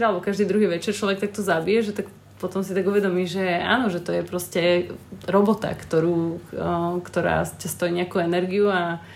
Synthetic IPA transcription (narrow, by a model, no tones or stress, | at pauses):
ɾalɛbɔkaʒd̪iːd̪ɾuɦiːʋɛt͡ʃɛɾt͡ʃlɔʋɛk̚t̪ak̚t̪ɔzabijɛʒɛt̪ak | pɔt̪ɔmsit̪aɡuʋɛd̪ɔmiːʒɛa̰ːnɔʒɛt̪ɔjɛpɾɔscɛɾɔbɔt̪a̰kt̪ɔɾuː | kt̪ɔɾa̰ːcast̪ɔjiːɲɛakuɛnɛɾɡiua